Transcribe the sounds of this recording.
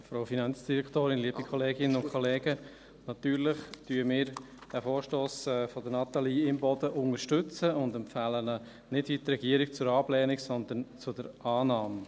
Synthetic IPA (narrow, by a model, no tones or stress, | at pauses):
fɾoʊfinɑnt͡sd̥iɾɛkt̪oːɾɪnliəbikʰχɔleːɡɪnənʊnkʰɔleːɡə | nɑt̪yːɾlɪχtyəmɪːɾ | əfoːɾʃtoːsɛːfɔdənɑt̪aliːɪmbɔd̪əʔʊŋəʃtʏt͡səʊndɛmpfæːlənə | nɪdit̪ɾɛɡ̥iəɾik̚t͡sʊɾɑblɛːnɪksɔnd̪ənt͡sʊdəɾɑːnɑːm